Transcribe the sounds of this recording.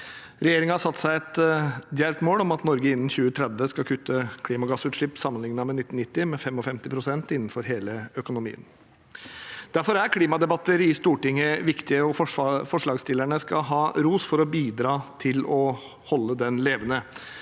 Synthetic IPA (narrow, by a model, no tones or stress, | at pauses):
ɾɛjeːɾɪŋəhɑʂsɑt̪ːsæɪɛt̪d̪jæɾt̪moːlɔmɑt̪nɔɾɡəɪnːn̩çʉːət̪ʰɾɛd̪ʋəskɑlkʰʉt̪ʰːəkʰliːmɑɡɑsʉːt̪ʂɭɪpːsɑmːənlɪŋnɑmɛnɪt̪ːn̩ɪt̪ːɪmɛfɛmɔfɛmt̪ɪpʰɾʊsɛnt̪ɪnːn̩fɔɾɦeːləœkʊnʊmḭːən | d̪̥æɾfɔɾæɾkʰliːmɑd̪ɛbɑt̪ːəɾɪst̪uːʈɪŋːəʋɪkt̪ɪəɔffɔʂɭɑːɡst̪ɪlæɳəskɑlɦɑːɾuːsfɔɾɔbiːd̪ɾɑːt̪ʰɪlɔ | hɔlːəd̪ɛnleːʋənə